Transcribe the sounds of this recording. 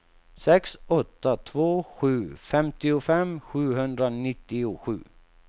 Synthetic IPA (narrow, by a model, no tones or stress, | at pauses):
sɛksɔt̪ːat̪ʰvoːɧʉ̟ːfɛmt̪ɪʊfɛmɧʉ̟ːɦɵnd̪ɾanɪt̪ːɪʊɧʉ̟̰ː